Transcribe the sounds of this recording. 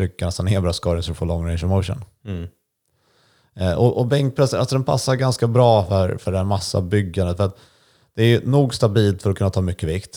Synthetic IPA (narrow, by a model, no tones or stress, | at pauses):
ʏkːaɳɛst̪anheːlbɾɑːskɑːɾɪŋsɔɾəfoːɭlɔŋːɾɛɪnʃəmoʊʂə̰n | ʔɔʔɔbɛŋk̚pʰɾɛsəɾalsɔd̪ɛnpʰa̰sːaɾɡanskabɾɑːfœɾfœɖɛhæːɾmasːa̰bʏɡːand̪ət̪fœɾat̪ | d̪̥ɛæɾjɵnuːɡst̪abiːlt̪fœɾɔkʰɵnːat̪ʰɑːmʏkːəvɪkt̪